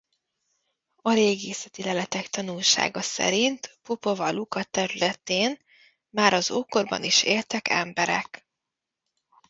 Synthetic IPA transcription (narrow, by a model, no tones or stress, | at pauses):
ɒleːɡeːsɛt̪ilɛlɛt̪ɛkt̪ɒnulʃa̰ːɡɒsɛ̰ɾint̪popo̞vɒlukɒt̪ɛɾylɛt̪eːn | maːɾɒzoːko̞rbɒ̰niʃeːlt̪ɛkʰɛ̰mbɛɾɛ̰k